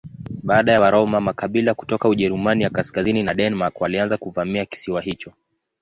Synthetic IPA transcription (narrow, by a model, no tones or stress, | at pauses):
ɓaːɗajawaɾɔmamakaɓilaku̥tɔkauʄɛɾumanijakaskazininaɗɛnmakwalianzakuvamiaki̥siwaɦit͡ʃɔ